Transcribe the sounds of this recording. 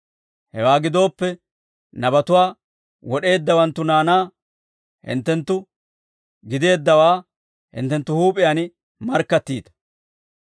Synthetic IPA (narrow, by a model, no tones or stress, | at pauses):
hɛ̰waːɡɪd̪o̞ːpːɛ | nɐbɐt̪ʊwaː | wɔɗe̞ːd̪ːɐwɐnt̪ːʊnaːnaː | hɪ̰nt̪ːɛnt̪ːʊ | ɡɪd̪e̞ːd̪ːɐwaː | hɪ̰nt̪ːɛnt̪ːʊhuːpʼɪjaːn | mɐɾkːɐt̪ːiːt̪ɐ̥